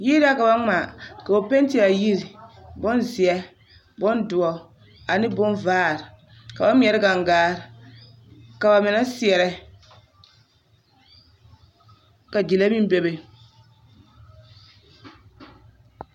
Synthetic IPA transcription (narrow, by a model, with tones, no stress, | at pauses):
ji˦da˦ka˨ba˦ŋ͡ma˨ka˨o˨pɛ˦n˦ti˦a˨ji˦ɾi˨bɔ˦nzi˨ɛ˦ | bɔ˦ndʊ˨ɔ˨ | a˨nɪ˦bʊ˦nvaː˦˨ɾ | ka˨ba˦m˦ɛ˨ɾɪ˦ɡa˨ŋɡaː˦˨ɾ | ka˨ba˨mɪ˨na˦si˦ɛ˨ɾɛ˨ | ka˨d͡ʒi˨la˦mi˦n˦bɛ˦be˨